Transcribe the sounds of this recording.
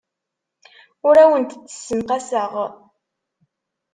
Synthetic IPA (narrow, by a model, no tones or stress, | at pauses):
ʊɾæwənt̪θːə̥sːəmqæsəʁ